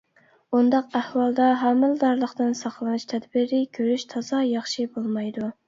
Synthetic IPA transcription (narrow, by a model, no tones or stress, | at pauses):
und̪ɑqæhwɑlˠd̪ɑɦɑmːɨld̪ɑɾlˠəχt̪ɨnsɑqlˠɨnɨʃt̪ʰɛd̪bɪɾɪkʲʰøɾyʃt̪ʰɑzɑjɑχʃibolˠmɑjd̪u